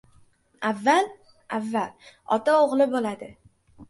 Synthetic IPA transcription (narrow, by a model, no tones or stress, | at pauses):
avːal | ʔavːalɒ̰t̪aoʁlɪbolad̪ɪ